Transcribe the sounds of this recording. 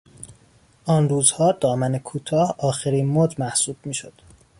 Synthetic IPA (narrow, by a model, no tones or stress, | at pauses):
ʔɒːnruːzhɒːd̪ɒːmænekʰuːt̪ʰɒːhɒːxeɾiːnmoːd̪mæhsuːb̥̚miːʃod̪̥